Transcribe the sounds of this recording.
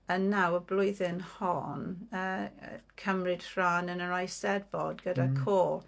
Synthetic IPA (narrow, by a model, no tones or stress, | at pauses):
ənːawəblˠʊjðɪnhɔnə̰kʰəmrɪd̥hr̥aːnənəɹajsɛdbɔdɡədakʰoːlˠ